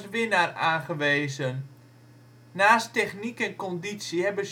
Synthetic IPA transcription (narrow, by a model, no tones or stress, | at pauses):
sʋɪnaraːnɣəʋeːzən | naːstɛxnikɛnkɔnditsjiɦɛbəs